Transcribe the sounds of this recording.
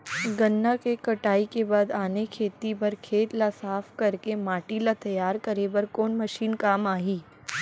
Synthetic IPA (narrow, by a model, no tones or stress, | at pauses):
ɡɐnːakekɐʈaːikebaːd̪aːnekʰeːt̪ipɐɾkʰeːt̪lasaːpkɐɾkemaːʈilat̪ɐjaːɾkɐɾebɐɾkoːnmɐʃiːnkaːmaːɦiː